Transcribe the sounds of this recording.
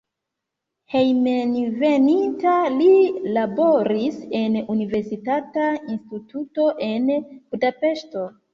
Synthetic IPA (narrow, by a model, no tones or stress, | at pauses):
hejmenve̞nintalilabo̞ɾise̞nunive̞ɾsitatainstituto̞ʔe̞nb̥udape̞ʃto̞